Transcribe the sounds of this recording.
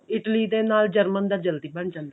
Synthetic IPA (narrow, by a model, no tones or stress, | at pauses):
ɪʈliːd̪eːnaːld͡ʒəɾmənd̪aːd͡ʒəld̪iːbəɳd͡ʒãːnd̪e